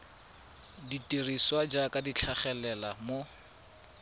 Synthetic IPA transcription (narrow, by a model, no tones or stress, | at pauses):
ditʼiriswad͡ʒakʼadit͡ɬʰaχɛlɛlamo